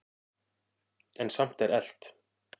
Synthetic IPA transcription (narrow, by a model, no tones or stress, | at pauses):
ɛnsam̥t̪ɛɾɛl̥t̪